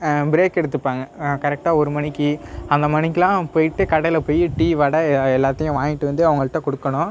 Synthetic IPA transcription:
bɪɾeːkːɛɽɯt̪ːɯpːaːŋɡɐkɐɾɛk̚ʈaːɔɾɯmɐɳɪkːɯɐnd̪ɐmɐnɪkːɪlãːpoːjɪʈːɯkɐɽɐlɐpoːjiʈiːʋɐɽɐɛlːaːt̪ːɐjʊ̃ʋaːŋɪʈːɯʋɐnd̪ɯɐʋɐŋɡɐɭɯʈːɐ̃kɔɽɯkːɐɳʊ̃

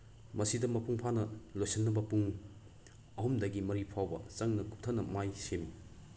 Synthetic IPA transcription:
mɐsidɐmɐpuŋpʰanɐlojsɐnːɐbɐpuŋ | ɐɦumdɐɡimɐɾipʰawbɐ̰t͡ʃɐŋnɐku̥p̚tʰɐnɐmajsemi

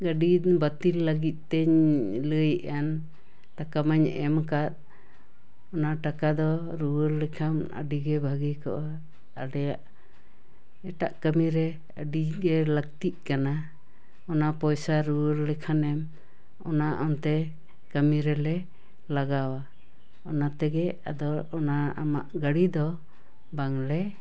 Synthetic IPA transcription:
ɡəɖibət̪ilːəɡit̪̚ˀt̪ːɛɲləjʔan | t̪akamaɲɛ̰mkat̪̚ | ɔnaʈakad̪ɔ | ɾuwəɾlɛkʰamə̰ɖiɡɛbʱaɡikɔ̰ʔa | aɖɛjaʔ | ɛʈa̰ʔkəmiɾɛ | əɖiɡɛləɡ̚t̪iʔ̪̚kana | ɔnapɔjsaɾuwəɾlɛkʰanɛm | ɔ̰naʔɔnt̪ɛ | kəmiɾɛlɛ | laɡawa | ɔnat̪ɛɡɛa̰d̪ɔɔnaa̰ma̰ʔɡəɽid̪ɔ | baŋlɛ

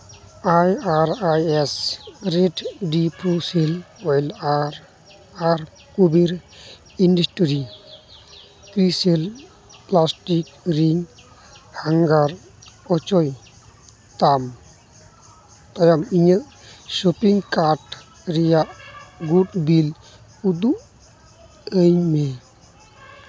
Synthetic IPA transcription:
ajaɾajɛsɾeʈɖipʰuselɔjlaɾ | aɾ | kubiɾ | indəsʈɾi | kɾisel | plasʈikɾiŋ | haŋɡaɾ | ɔt͡ʃɔj | t̪am | t̪ɔjamiɲaʔ | ʃɔpiŋkaʈ | ɾijaʔɡuʈbil | ud̪uʔ | əɲme

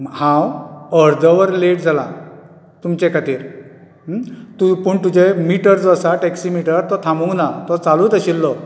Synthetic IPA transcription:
hãwəɾd̪əʋəɾleʈd͡zʱala | t̪umt͡ɕɛ̃kat̪iːɾ | t̪upəːɳt̪ud͡ʑemiʈəɾd͡zəsaʈɛksimiʈəɾɾt̪ɔt̪ʰãmbuŋɡnat̪ɔt͡salut̪əɕilːɔ

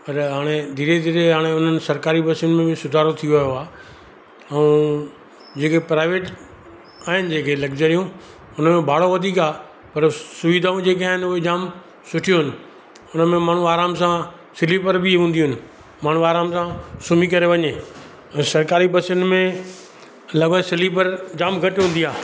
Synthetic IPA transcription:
pɐɾɦaːɽ̃ed̪ʱiːɾed̪ʱiːɾeɦaːɽ̃eʊn̤ənɪ̆sɐɾkaːɾibɐsənmẽbɪsʊd̪ʱaːɾot̪ʰijoʋɐːjoaː | ɛ̃ | d͡ʑeːkepɾaːɪʋeːʈ | aːɦɪnɪ̆d͡ʑeːkʰelɐɡd͡ʑəɾijũ | ʊn̤əmẽbʱaːɽ̤oʋɐd̪ʱiːkaː | pɐɾsʊʋid̪ʱaːũd͡ʑeːk̬aːɦɪnɪʊɦed͡ʑaːm | sʊʈʰijoɦɪnɪ̆ | ʊnəmẽmaːɳ̤uaːɾaːmsã | sɪlipɐɾbɪɦũːnd̪iɪnɪ̆ | maːɳ̤uaːɾaːmsãsʊmikɐɾeʋɐɲe | ɛ̃ːsɐɾkaːɾibɐsʊnmẽ | lɐɡõsɪlipɐɾd͡ʑaːmɡʱɐʈɪɦũnd̪iaː

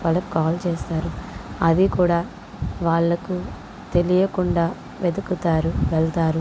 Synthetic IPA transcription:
ʋaːlːɐku̥kaːlt͡ʃeːst̪aːɾuɐd̪ikuːɽaː | ʋaːɭːɐku | t̪e̞lijɐkuɳɖaː | ʋed̪ukut̪aːɾuʋɛɭt̪aːɾu

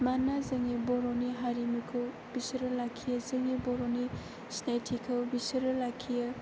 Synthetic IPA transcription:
manːazɯŋebɔɾoniɦaɾimukʰɐw | bisɐɾɐlakʰːijɐzɯŋebɔɾoni | snajtʰikʰɐwbisɐɾɐlakʰijɐ

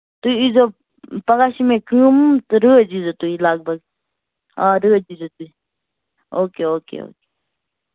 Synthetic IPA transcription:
t̪uiizoː | pəɡaːʃimẽːkɨːmt̪ɨɾəːd͡ʒizot̪uilaːɡ̚bəɡ | ãːɾəːd͡ʒizot̪ui | oːkeːoːkḛo̰ːke̥ː

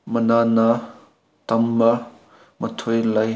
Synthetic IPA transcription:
mɐnanɐ | tɐmːɐ | mətʰojlaj

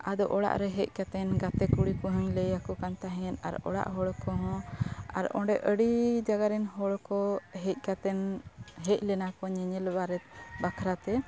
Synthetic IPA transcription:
ad̪ɔʔɔɽa̰ʔɾɛɦɛc̚kat̪ɛnɡat̪ɛkuɽikuɦuɲləjakɔkant̪aɦɛna̰ɾɔ̰ɽa̰ʔɦɔɽkɔɦɔ̃a̰ɾɔ̰̃ɖɛʔəɽid͡ʒaɡaɾɛnɦɔɽkɔɦɛc̚ˀkat̪ɛnɦɛc̚ˀlɛnakɔɲɛɲɛlbaɾɛt̪̚bakʰɾat̪ɛ

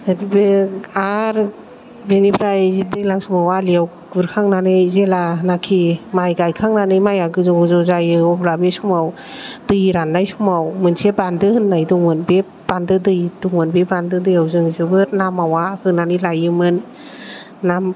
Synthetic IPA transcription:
abibɯaɾ | binipʰɾajzidɯjlaŋsumawaliaw | ɡɯɾkʰaŋnanɯjzelanakʰimajɡajkʰaŋnanɯjmajaɡɯzɔzɔzajɯɔblabesumaw | dɯjɾanːajsumawmɯnsebandɯhɯnːajduŋmɯnbepb̥andɯdɯjduŋmɯnbebandɯdɯjawzɯŋzɯbɯɾnamawahɯnanɯlajɯmɯnː | am

